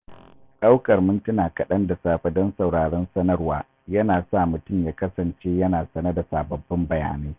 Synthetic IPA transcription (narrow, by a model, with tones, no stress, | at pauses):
ɗa˦wkɐ˨rmʊ˦ntɪ˦naː˨kɐ˨ɗɐ˦nda˨saː˦ɸɐ˦dɔ˦nsɐ˨wɽaː˨ɽɛ˦nsɐ˦nɐ˦rwaː˦˨ | jɐ˦naː˨sa˦˨mʊ˨tʊ˦mjaː˦kɐ˦sɐ˨nt͡ʃeː˦jɐ˦naː˨sɐ˦nɐ˦da˨saː˨bɐ˨bːɪ˦mbɐ˨ja̰ː˨neː˦